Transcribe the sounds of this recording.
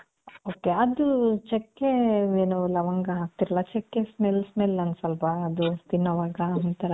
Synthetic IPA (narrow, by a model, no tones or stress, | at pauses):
oːkeɐd̪ut͡ʃɛkːeeːnulɐʋɐŋɡɐɦaːk̚t̪iɾɐlat͡ʃɛkːesmelsmelɐnsɐlpaːd̪ut̪inːɐʋaːɡɐɦunt̪ɐɾɐ